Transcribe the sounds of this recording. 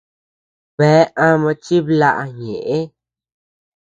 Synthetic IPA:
bɛ˨˦ʔã˧mã˧t͡ʃi˦bla̰˧ʔɲe˨ʔe˦

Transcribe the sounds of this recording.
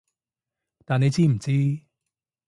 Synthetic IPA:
t̪aː˨ne˧jt͡siː˥m̩˨˩t͡siː˥

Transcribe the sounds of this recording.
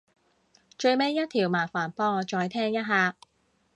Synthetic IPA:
t͡ʃɵ˧ɥme˥jːɐ˥t̚t̪ʰiː˨˩wmaː˨˩faː˨˩npɔː˧ŋɔː˨˧t͡ʃɔː˧jt̪ʰɛː˥ŋjɐ˥t̚ɦaː˨˧

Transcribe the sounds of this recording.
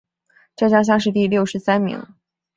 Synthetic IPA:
ʈ͡ʂɤ˥˩t͡ɕjɑ˥ŋɕ̬jɑ˥ŋʂ̬ɻ̩˥˧t̪i˥˧ljo˥˩ʊʂɻ̩˧˥sa˥nmḭ˧˥ŋ

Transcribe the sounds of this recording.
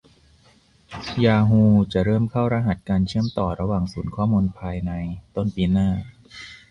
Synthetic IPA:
jaː˧ɦuː˧t͡ɕa˨˩ɾɤː˥˩mkʰa˥˩wɾa˧ɦa˨˩t̪̚kaː˧nt͡ɕʰɯ˥˩əmt̪ɔː˨˩ɾa˧waː˨˩ŋsuː˩˦nkʰɔː˥˩muː˧npʰaː˧jna˧jt̪o˥˩npiː˧naː˥˩

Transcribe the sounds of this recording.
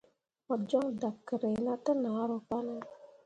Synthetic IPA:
mɔ˨d͡ʒɔ˦ŋda˨p̚kːə˨ɾe˨jna˦tə˦na˨˦ɾo˨pa˦nə˦

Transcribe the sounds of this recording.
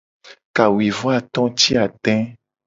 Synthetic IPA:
ka˨wi˨vɔ˦a˦˨t̪ɔ̃˦t͡ʃi˦a˨t̪ɛ̃˦

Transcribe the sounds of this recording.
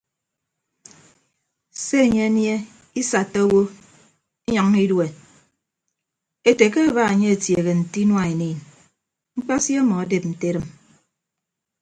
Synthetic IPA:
se˦e˨ɲe˦a˦nje˦ | i˦sa˨tːo˦o˦wo˦ | i˦ɲɔ˨ŋ˦i˦dwe˨ | e˨te˨ke˦a˦ba˦e˨ɲe˦e˨tje˨ɣe˨n̩˨ti˦nwa˨e˨niː˨n | ŋ͡m̩˦k͡pa˦sje˦mɔ˨a˦de˨p̚n̩˨te˦ɾɨ˦m

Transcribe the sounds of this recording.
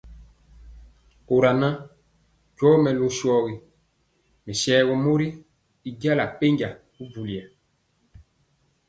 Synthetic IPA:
ko˨ɾa˨na˦ | d͡ʒɔː˦mɛ˨lu˦ʃɔ˦ɣi˨ | mɛ˨sɛː˨˦ɡɔ˨mo˦ɾi˦ | i˨ɟa˦la˨k͡pe˦ɲɟa˨ | u˦vu˨li˨a˨

